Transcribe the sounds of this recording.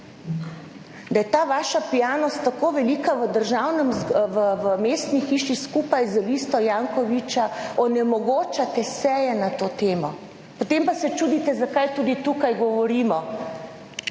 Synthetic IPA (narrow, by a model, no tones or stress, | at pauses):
d̪ajɛt̪aːʋaːʃapijaːnɔst̪ːakoːʋɛliːkaʋəd̪əɾʒaːwnɛmʋəʋəmeːst̪nixiːʃiskuːpajzalist̪ɔjaːŋkɔʋit͡ʃaɔnɛmɔɡoːt͡ʃat̪ɛsɛjɛnat̪oːt̪eːmɔ | pɔt̪empasɛt͡ʃuːd̪it̪ɛzakajt̪uːd̪it̪uːkajɡɔʋɔɾiːmɔ